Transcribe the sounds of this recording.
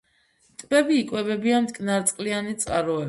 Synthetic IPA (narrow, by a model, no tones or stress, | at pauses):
t̪ʼbɛbiːkʼwɛbɛbiant̪ʼkʼnaɾt̪sʼqʼlianit̪sʼqʼaɾɔɛ